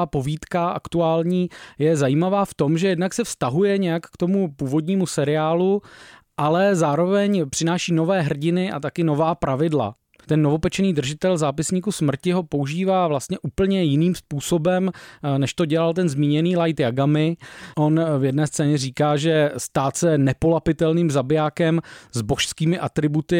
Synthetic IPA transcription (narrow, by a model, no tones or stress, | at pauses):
po̞viːt̪kaʔa̰kt̪uaːlɲiːjɛzajiːmavaːft̪o̞mʒɛjɛdnaksɛfst̪aɦujɛɲɛjakːt̪o̞mupuːvo̞d̪ɲiːmusɛɾɪaːlu | ʔalɛzaːɾo̞vɛɲpr̝̥ɪnaːʃiːno̞vɛːɦr̩ɟɪnɪʔa̰t̪akɪno̞vaːpɾavɪdla̰ | t̪ɛnːo̞vo̞pɛt͡ʃɛniːd̪r̩ʒɪt̪ɛlzaːpɪsɲiːkusmr̩cɪɦo̞po̞uʒiːvaːvlast̪ɲɛʔuːpl̩ɲɛjɪniːmspuːso̞bɛmnɛʃt̪o̞ɟɛlalt̪ɛnzmiːɲɛniːlajt̪jaɡamɪʔo̞nvjɛdnɛːst͡sɛːɲɛriːkaːʒɛst̪aːt̪sɛnɛpo̞lapɪt̪ɛlniːmzabɪjaːkɛmzboʃskiːmɪʔat̪ɾɪbut̪ɪ